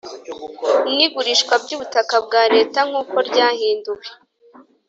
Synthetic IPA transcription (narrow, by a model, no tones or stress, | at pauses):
mŋiɡuɾiːʃkwabɟuːβutakabɡaːɾe̞ːtaŋ̥uːko̞ɾɟaːhiːnduke